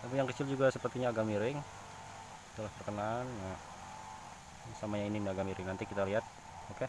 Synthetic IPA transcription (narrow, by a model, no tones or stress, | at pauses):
apijaŋkət͡ʃɪld͡ʒuɡasəpərt̪iɲaːɡamiɾɪŋ | t̪əlaht̪ərkənanːa | samaɲainindaaɡamiɾɪŋnant̪ikit̪aliɦat̪̚ | oke